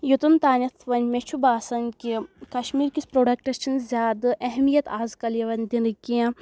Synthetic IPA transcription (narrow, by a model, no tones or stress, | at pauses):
jut̪unt̪aːnʲɐt̪ʰʋɐnʲmet͡ʃʰubaːsɐnkʲikɐʃmiːɾkʲispɾoːɖɐkʈɐt͡ʃʰinzʲjaːd̪ɨʔɐɦmijɐt̪aːzkɐljɐʋɐnʲd̪inɨkiã